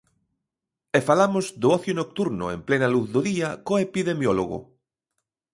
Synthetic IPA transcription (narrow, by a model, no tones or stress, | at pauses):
efalamozd̪oɔθjonok̚t̪uɾnʊemplenaluθðoðiakoepiðemjoloɣo̰